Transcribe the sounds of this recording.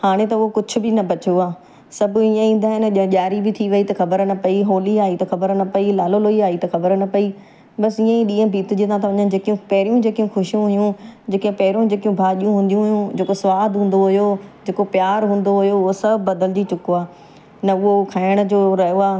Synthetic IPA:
haːɽ̃et̪ɐʊɦokʊd͡ʑʰʊ̆bɪnɐbɐt͡ɕjoaː | sɐbʱĩə̃ĩːn̆d̪aːɦɪnʄ̃ʄaːɾibɪt̪ʰiʋɐit̪ɐxɐbəɾnɐpɐiɦoːliaːit̪ɐxɐbəɾnɐpɐilaːloloːiaːit̪ɐxɐbəɾnɐpɐi | ɓɐsɪ̃ːə̃iɗiːə̃bʱiːt̪ʊd͡ʑiːt̪ãt̪ɐʋɐɲənɪ̆d͡ʑeːkijũpɐɦɪɾijũd͡ʑeːkijũxʊʃijũɦɐijũd͡ʑeːkẽpɐɦɪɾũd͡ʑeːkijũbʱaːʄijũɦũːn̆d̪ijũɦʊjũd͡ʑeːkosʋaːd̪ɦũːn̆d̪oɦʊjod͡ʑeːkopjaːɾɦũːn̆d̪oɦʊjoʊɦosɐbʱbɐd̪əld͡ʑit͡ɕʊkoaː | nɐʊɦokʰaːɪɽ̃ə̆d͡ʑoːɾɐɦijoaː

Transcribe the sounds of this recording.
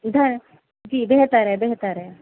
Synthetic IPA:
d̪ʱɐɾ | d͡ʒiːbeɦt̪əɾɦɛbeɦt̪əɾɛ

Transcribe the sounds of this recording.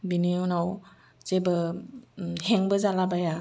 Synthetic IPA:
biniunaw | z̥ebə | heŋbəzalabaja

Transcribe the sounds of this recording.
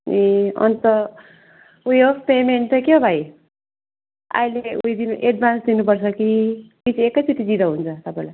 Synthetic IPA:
eʌ̰nt̪ʌ | ujopemeɳʈʌkjobʱaj | a̰ileṵjd̪inuʔeɖ̚bʱansd̪inupʌrt͡sʰʌki | it͡sʰiekːʌjtit̪id͡zid̪ʌɦunt͡sʰʌt̪ʌpaĩla

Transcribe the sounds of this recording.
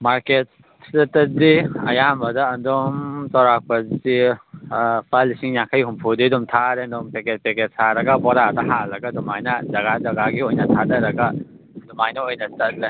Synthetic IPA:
maɾket̚ | sdɐtɐdiɐ̰jamɐdɐːndɔmtawɾak̚pɐdi | pʰalisiŋjaŋkʰajɦumpʰudidumtʰaɾendɔmpeket̚peket̚sʰaɾɐɡɐbɔɾadɐɦalɐɡɐdumajnɐzɐɡazɐɡaɡiojnɐtʰadɐɾɐɡɐ | dumajnɐojnɐtɐt̚la

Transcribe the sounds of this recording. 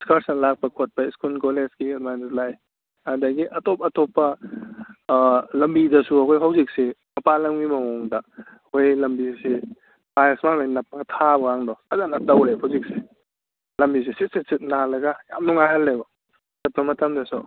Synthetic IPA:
diskaɾsnɐlak̚pɐkʰot̚pɐiskulkolesɡidmanlaj | adaɡiʔɐtopɐtɔpːɐ | lɐmbidɐsuɐkʰojɦawzik̚semɐpalɐŋmimɐmɔŋdɐ | ojlɐmbise | majesmamajnɐp̚ːɐɡɐtʰabɐaŋdɔazanɐtawehawzikse | lɐmbis̬isit̚sit̚sit̚nalɐɡɐja̰mnuŋajhalːebɐ | kat̚pɐmɐtʰɐmdɐsṵ

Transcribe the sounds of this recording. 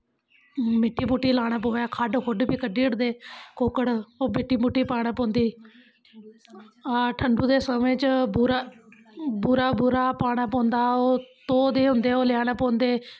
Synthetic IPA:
mɪʈːiːmuːʈːiːlaːɽaːpoːaːkʰaːɖokʰʊɖpiːkəɖiːəɽd̪eːkoːkəɽoːmɪʈːiːmuːʈːiːpaːɽ̃aːpõːnd̪iː | aːʈʰəɳɖuːd̪eːsəmẽːt͡ʃbuɾaː | buːɾaːbʊɾaːpaːɽ̃aːpɔ̃ːnd̪aːoːt̪oːd̪eːɦʊ̃nd̪eːoːlɪjaːnaːpõːnd̪eː

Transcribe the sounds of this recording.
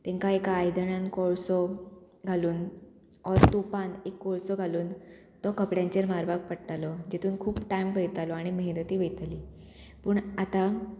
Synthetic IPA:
t̪ɛ̃ŋkaekaːjd̪əɳankɔɭsɔ | ɡʱaluːn | ɔɾt̪opãnekːɔɭsɔɡʱaluːn | t̪ɔkəpɽjãɲt͡ɕeɾmaɾbak̚pəɽʈ̪alɔd͡ʑet̪ʰuːnkʰuːpʈajmʋəjt̪alɔaɽ̃iməɦnət̪iːʋet̪aliː | puːɳat̪a

